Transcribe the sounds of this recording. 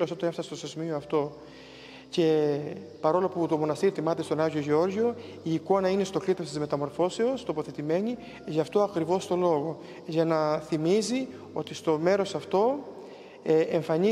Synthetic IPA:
losot̪oefsɐst̪osezmioɐft̪o̞ | ce̞pɐɾo̞loput̪o̞mo̞nɐst̪iɾit̪imɐt̪e̞st̪o̞nɐʝoʝeo̞ɾʝo̞ | iːko̞nɐine̞st̪o̞klit̪ost̪izme̞t̪ɐmo̞ɾfo̞se̞ost̪o̞po̞θe̞t̪ime̞ɲi | ʝɐft̪o̞ɐkɾivo̞st̪o̞lo̞ɣo̞ | ʝɐnɐθimizi | o̞t̪ist̪o̞me̞ɾo̞sɐft̪o̞ | eɱfɐɲi

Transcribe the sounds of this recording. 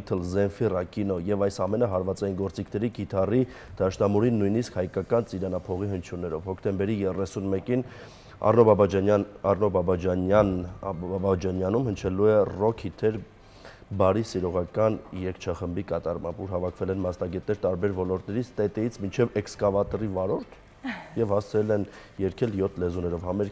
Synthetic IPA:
t̪ʰəlzɛnfirɑkinɔjɛvɑjsɑmɛnəɦɑɾvɑt͡sɑjinɡɔɾt͡sikʰnɛɾiɡit̪ʰɑrid̪̥ɑʃnɑmuɾinːujniskhɑjkɑkɑnt͡siɾɑnɑpʰɔʁiɦənt͡ʃʰjunːɛɾɔvhɔkʰt̪ɛmbɛɾijɛrɛsunmɛkin | ɑ̰nɔb | ɑrnɔbɑbɑd͡ʒɑɑnbɑd͡ʒɑnjɑnumhənt͡ʃʰɛluɛrɔkʰhit̪ʰɛɾ | bɑɾisiɾɔʁɑkɑnjɛkʰt͡ʃʰɑχəmbikɑt̪ɑrmɑ̰mbuɾɦɑvɑkʰvɛlɛnmɑsnɑɡɛt̪̚nɛɾt̪ɑɾbɛɾvɔlɔɾt̪nɛɾit͡sʰt̪ɛt̪ɛjit͡sʰmint͡ʃʰɛvɛkskɑvɑt̪rivɑɾɔɾt̪ʰ | jɛvhɑst͡sʰɾɛlɛn | jɛɾkʰɛljɔt̪ʰlɛzunɛɾɔvhɑmɛɾ

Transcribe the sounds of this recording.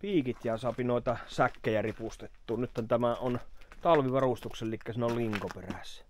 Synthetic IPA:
piːkit̪jæːˑsɑpinoˑet̪ɑsækːejæripust̪et̪ːuːnyt̪hont̪æmæont̪ɑlʋiʋɑrust̪uksellikːæsinolliŋkoperæ̰s

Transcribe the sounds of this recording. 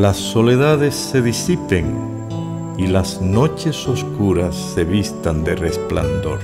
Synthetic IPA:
lasːo̞le̞ðaðe̞sːe̞ðisipe̞ŋ | ilazno̞t͡ʃe̞so̞skuɾasːe̞βist̪and̪e̞re̞spla̰nd̪o̞̰ɾ

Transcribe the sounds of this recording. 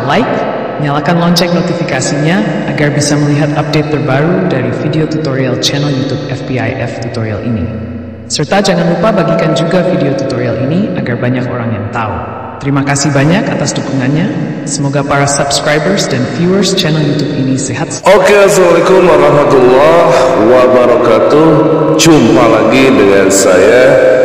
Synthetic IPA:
lajk̚ | məɲalakanlɔɲt͡ʃɛk̚not̪ifikasiɲaː | ɡarbisaməliɦat̪ap̚det̪ːərbaɾudaɾifideot̪ut̪oɾialt͡ʃɛnɛljut̪up̚ɛfbia̰jʔɛ̰ft̪ut̪oɾia̰lʔḭni | sərt̪ad͡ʒaŋanlupabaɡikand͡ʒuɡafideot̪ut̪oɾialiniaɡarbaɲakoɾaŋjaŋt̪aṵ | t̪əɾimakasihbaɲakat̪asdukuŋanɲa | səmoɡapaɾasabskɾajbərsdanfjuərst͡ʃɛnɛljut̪up̚iniseɦat̪̚okeazamalekʊmaɾaɦmat̪ulːɔhwabaɾɔkat̪uhd͡ʒumpalaɡidəŋansa̰ja

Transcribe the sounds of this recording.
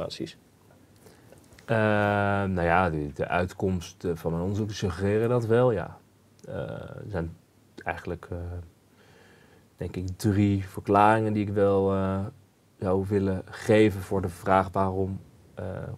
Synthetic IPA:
a̰ːtsḭs | ənawjadədəʔœɥtkɔmstvɑnmɛjnɔndəzuksəχərɪːrədɑtʋɛlˠja̰ː | ə̰əzɛjn | ɛjχənələk | d̥ɛŋkɪkdrivəɹklaːrɪŋəndiɪkʋɛlˠ | zɑwʋɪləχejvənvʊːɹdəv̥raːχʋaːrɔm̰

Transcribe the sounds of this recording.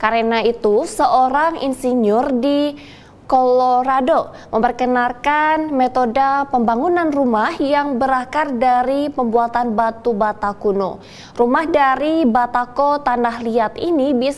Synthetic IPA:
kaɾenait̪usəʔoɾaŋḭnsiɲɔrdi | koloɾado | məmpərkənarkanmet̪odapəmbaŋunanrumahjaŋbəɾakardaɾipəmbuat̪anbat̪ubat̪akuno̰ | rumahdaɾibat̪akot̪anahliat̪inibi

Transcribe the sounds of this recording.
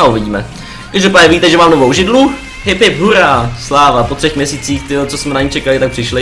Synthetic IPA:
auvɪɟiːmɛ | kɛʒdopaːɲɛviːt̪ɛʒɛmaːmnovowʒɪdlu | ɦɪpɪpɦuɾaslaːvapot̪r̝̥ɛxmɲɛsiːt͡siːxt̪ɪot͡sosmɛnaɲit͡ʃɛkalɪt̪ak̚pr̥ɪʃlɪ

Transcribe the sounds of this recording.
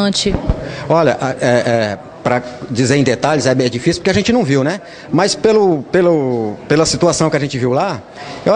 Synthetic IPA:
t͡ʃɪɔʎɐʔaɛʔɛ | pɾɐd͡ʒizeɾẽd̪et̪aʎɪzɛbẽj̃d͡ʒifisiu̥poɾkeaʒẽnt͡ʃɪnɐ̃w̃viwnɛ | mɐjspelʊpelʊpelɐsit̪uasɐ̃w̃kɪɐʒẽnt͡ʃɪviwla | ew

